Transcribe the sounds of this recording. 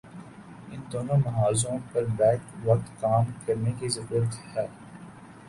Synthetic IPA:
ɪnd̪oːnõmɐɦaːzõpɐɾbɛːkʋɐk̚t̪kaːmkɐɾnekizɐɾuːɾət̪hɛː

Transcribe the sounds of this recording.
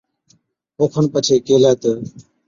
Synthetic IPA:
ɦoːkʰənpət͡ʃʰeːkeːlaːt̪ə

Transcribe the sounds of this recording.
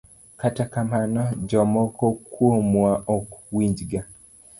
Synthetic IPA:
katakamanɔd͡ʒɔmɔkɔkwomwaʔɔkwiɲd͡ʒɡa

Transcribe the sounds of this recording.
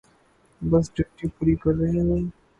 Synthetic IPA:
bɐs̬d͡ʒɐʈipuːɾikɐɾːɐɦẽeː

